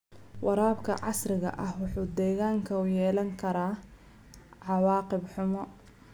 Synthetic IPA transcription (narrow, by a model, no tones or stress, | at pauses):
wʔɑɾaːbkʰɐ̰ʕɑ̰srɪɣɐ̰ʔɐhwɑħuːd̪ɛːɣaːŋkʰɐʊjɛːlɐŋkʰɐɾaː | ʕɑwɑːqɪbħʊmɔ